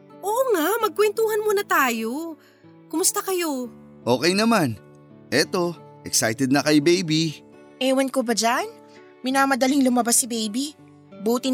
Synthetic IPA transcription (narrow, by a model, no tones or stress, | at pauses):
ʔoːʔoŋamɐɡ̚kwɛnt̪uːhɐnmunɐt̪aːjo̞ | kʊmʊst̪ɐkɐjo̞ | ʔo̞ːkɛjnɐman | ʔɛt̪o̞ | ʔɛksajt̪ɛd̪̚nɐkɐjbejbi | ʔɛːwɐnkobɐd͡ʒan | mɪnamɐd̪ɐliŋlʊmɐbasɪbɛjbi | buːt̪ɪ